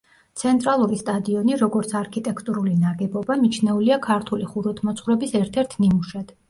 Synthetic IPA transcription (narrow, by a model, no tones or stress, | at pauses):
t̪sʰɛnt̪ʼɾalˠuɾist̪ʼad̪iɔniɾɔɡɔɾt̪sʰaɾkʰit̪ʼɛkʰt̪ʼuɾulinaɡɛbɔbamit͡ʃʰnɛuliakʰaɾt̪ʰuliχuɾɔt̪ʰmɔt̪sʰʼχwɾɛbisɛɾt̪ʰɛɾt̪ʰnimuʃɛd̪̥